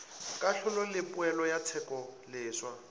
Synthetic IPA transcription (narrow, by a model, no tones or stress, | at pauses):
kʼaɬʊlɔlɪpʼʊɛlɔjat͡sʰɛkʼɔlɪːswa